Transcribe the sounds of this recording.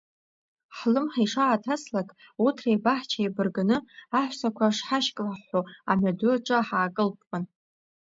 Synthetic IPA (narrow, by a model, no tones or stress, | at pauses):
ħlɨmħiʂaːtʰaslakʼ | utʰrejbaħt͡ʃʰajbɨrɡɨnɨaħʷsakʷʰaʂħaʃkʼlaħoa̰madʊʈ͡ʂʷʼaħaːkʼɨlpʰʼpʼɨn